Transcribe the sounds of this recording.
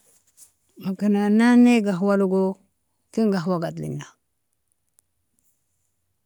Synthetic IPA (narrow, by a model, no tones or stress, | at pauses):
makinananeɡaɦuwaluɡo | kiŋɡaɦuwaɡatlḭnːa